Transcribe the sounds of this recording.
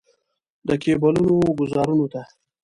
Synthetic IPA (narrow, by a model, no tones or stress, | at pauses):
d̪əkebalunoɡʊzɑɾunot̪a